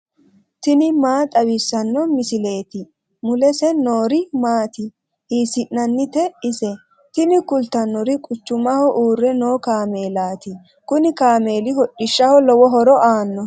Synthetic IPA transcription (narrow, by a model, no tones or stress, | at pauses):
t̪ɪnɪmaːt̪ʼɐwɪsːɐnːɔmɪsɪle̞ːt̪ɪ | mʊlɛsɛnoːɾɪmaːt̪ɪ | hiːsɪʔnɐnːɪt̪ɛɪsɛ | t̪ɪnɪkʊlt̪ɐnːɔɾɪkʼʊt͡ʃːʊmɐhɔʔuːrɛnoːkaːme̞ːlaːt̪ɪ | kʊnɪkaːme̞ːlɪhɔɗːɪʃːɐhɔlɔwɔɦɔɾɔʔaːnːɔ